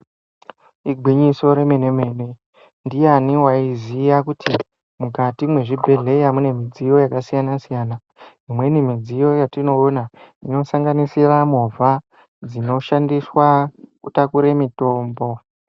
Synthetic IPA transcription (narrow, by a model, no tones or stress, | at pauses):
iɡʱiɲiso̞ɾe̞mene̞me̞ːne̞ | ndijaniwaizijakutʰi | muɡatimwe̞ʐibʱe̞ɮe̞jamune̞mid͡zijo̞jakasijanasijaːna | ɦimwe̞nimid͡zijo̞jatino̞ːnaino̞saŋɡanisiramova | d͡zino̞ʃandiswakutakuɾemito̞ːmbo̞